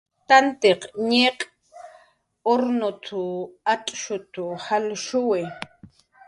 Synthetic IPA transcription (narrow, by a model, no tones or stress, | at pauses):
t̪ant̪eqɲeqʼ | oɾnot̪ʰʊatʼʃʊt̪ʊhalʃʊwɪ